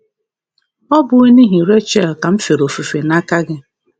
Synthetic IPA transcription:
ɔ˦bʊ˨e˦ni˦ɦi˨ɾe˦t͡ʃe˦˨lka˨m̩˦fe˨ɾo˨fu˨fe˨na˦ka˦ɡɪ˦

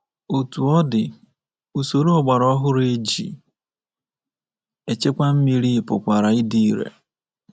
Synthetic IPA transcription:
o˨tu˨ɔ˦dɪ˨ | u˨so˨ɾu˦ɔ˨ɡ͡ba˨ɾɔ˦ɦʊ˦ɾe˦d͡ʒḭ˨ | e˨t͡ʃe˦kʷa˦m̩˦mi˦ɾi˦˨pʊ̰˨kʷa˨ɾa˨ɪ˦di˦ɾḛ˨

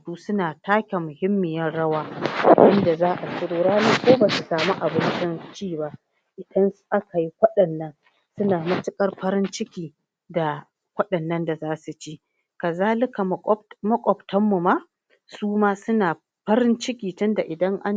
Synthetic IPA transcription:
duː˦sʊ˦naː˨taː˦kʲa˨mʊ˨hɪ˦mːɪ˨jɐ˦nɽɐ˦waː˦ʔɪ˦nda˨zaː˦ʔa˨sʊ˦ɽoː˦ɽaː˦niː˦kʷoː˦baː˨su˨saː˨mu˦ʔa˨bɪ˦nt͡ʃɪ˦nt͡ʃiː˦˨ba˦ʔ | ʔɪ˨dɐ˦nsu̥˦ʔa˦ka˨ji˦kʷɐ˦ɗɐ˨nːɐ˦ŋ | sʊ˦naː˨mɐ˦t͡ʃɪ˦kʼɐ˦rɸɐ˦ɾɪ˦nt͡ʃɪ˦kʲiː˨ | da˨ | kʷɐ˦ɗɐ˨nːɐ˦nda˨zaː˦su˨t͡ʃiː˦ | ka˨zaː˦lɪ˦ka˨˦mɐ˦kʷʼɔ˨btʰɐ˦mːu˨maː˦ | suː˦maː˦sʊ˦naː˨ | ɸɐ˦ɾɪ˦nt͡ʃɪ˦kʲiː˨tʊ˦nda˨ʔɪ˨dɐ˦ŋʔa˦n

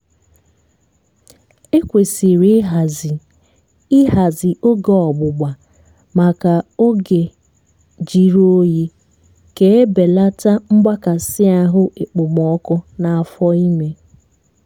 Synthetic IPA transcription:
e˦kʷe˨si˨ɾi˦ɦa˨zi˨ | i˦ɦa˨zi˨o˦ɡe˨ɔ˨ɡ͡bʊ˨ɡ͡ba˨ | ma˨ka˨o˦ɡe˨ | d͡ʒi˨ɾo˦ji˦ | ke˦e˦be˨la˦ta˦ŋ͡m̩˦ɡ͡ba˦ka˨sɪ˦a˦ɦʊ˦ʔe˨k͡pʊ˨m˨ɔ˨˦kɔ˦na˨a˨fɔ˦i˦me˦

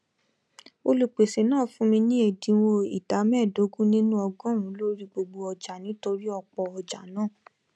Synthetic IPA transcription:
o˧lu˨k͡pe˨se˨nãː˦˨fũ˦mĩ˧nĩ˦e˦˨dĩ˨˦wo˧i˨da˨˦mɛ˦˨do˨˦ɡũ˦nĩ˦nũ˦ɔ˧ɡɔ̃˦ɾũ˨˦lo˦ɾi˦ɡ͡bo˧ɡ͡bo˧ɔ˧d͡ʒa˨nĩ˨˦to˧ɾi˦ɔ˧k͡pɔ˧ɔ˧d͡ʒa̰˨˦nãː˦˨

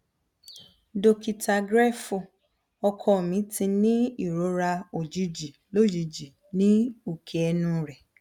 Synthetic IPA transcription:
do˧ki˨tʰa˧ɡɾɛ˦fu˧˨ | ɔ˧kʰɔ˧˨mĩ˨˦tĩ˧nĩ˦i˦˨ɾo˨˦ɾa˧o˨d͡ʒi˨˦d͡ʒi˨lo˦d͡ʒi˨˦d͡ʒi˨ | nĩ˦o˦˨kʰe˨ɛ˧nũ˧ɾɛ˨

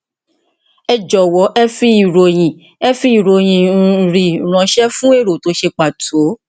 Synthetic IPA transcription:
ɛ˧˨d͡ʒɔ˨wɔ˨˦ʔɛ˦fi˦i˨ɾo˨j̃ĩ˨ | ɛ˦fi˦i˦˨ɾo˨j̃ĩ˨n̩˨ɾi˨ɾ̃ã˧˦ʃɛ˦fũ˦e˦˨ɾo˨to˨˦ʃe˧k͡pa˨tʰo˨˦

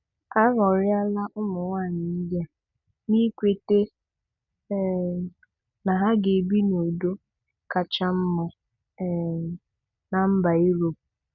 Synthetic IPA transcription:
a˦ɣɔ˨ɾɪ˦a˦la˦ʔʊ˦mʊ˨ŋa˦˨nɪ˨n̩˦da˦ | ni˦kʷe˨te˦ | na˨ɦa˦ɡe˨bi˦no˨do˦ | ka˨t͡ʃa˦m̩˦mɔ˨ | na˨m̩˦ba˨i˦ɾo˨p

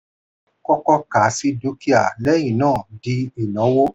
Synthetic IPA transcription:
kɔ˧kɔ˧ka˨˦si˧do˨˦ki˦a˨lɛ˦jĩ˦˨nãː˦˨di˧˦i˨nɔ̃˨˦wo˦

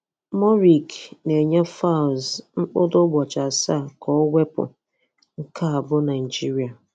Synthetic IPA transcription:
mɔ˦ɾi˨kne˨ɲe˦fa˦˨zŋ͡m̩˦k͡pʊ˦dʊ˦ɡ͡bɔ˨t͡ʃa˨sa˦˨kɔ˦we˦pʊ̰˨ | ŋ̩˦ka˦a˨bʊ˦na˨i˨d͡ʒi˦ɾi˨a˨

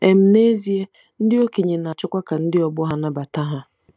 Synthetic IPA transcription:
ɛ˨m˨ne˦zi˦e˦ | n̩˦dɪ˦o˦kʰe˨ɲĩ˨nã˨a˨t͡ʃʰᶣʊ˦kʷa˦kʰa˨n̩˦dɪ˦ɔ˨bʊ˦ɦa˦nã˨ba˨tʰa˦ɦa˦

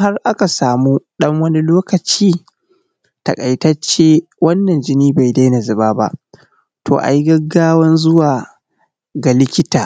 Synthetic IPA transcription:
ha˦rʔa˦ka˨saː˨muː˦ɗɐ˦ŋwɐ˦ni˦loː˦kɐ˨t͡ʃiː˦ | tɐ̰˨kʼa˨jtɐ˦t͡ʃːeː˦wɐ˦nːɐ˨nd͡ʒɪ˦niː˦ba˨jda˦jna˨zɪ˨baː˦ba̰˦ʔ | tʰo̰ː˨ʔa̰˨jɡɐ˦ɡːaː˦wɐ˦nzʊ˦waː˨ | ɡa˨lɪ˦kʲɪ˦taː˨

